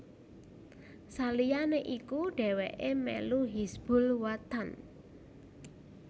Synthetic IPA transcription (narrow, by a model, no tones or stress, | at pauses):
salijaneʔikuɖ̥ɛ̤wɛ̰ʔemɛ̰luɦisb̥ʊ̤lwat̪an